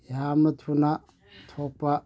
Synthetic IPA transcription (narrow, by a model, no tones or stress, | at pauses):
jamət̪ʰuna | t̪ʰopa